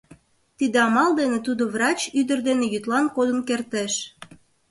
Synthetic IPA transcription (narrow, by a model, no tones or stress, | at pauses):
t̪id̪eɑmɑld̪enet̪ud̪oβrɑt͡ɕyd̪ərd̪enejyt̪lɑnkod̪ənkert̪eʃ